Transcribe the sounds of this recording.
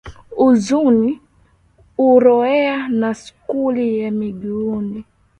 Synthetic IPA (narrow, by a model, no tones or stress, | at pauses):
uzuni | uɾɔɛanaskulijamiɡiuni